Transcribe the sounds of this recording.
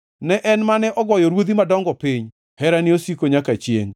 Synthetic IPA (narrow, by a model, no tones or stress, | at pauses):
nɛʔɛnmanɛʔɔɡɔjɔɾwod̪imadɔŋɡɔpiɲ | hɛɾaniosikoɲakat͡ʃjḛŋ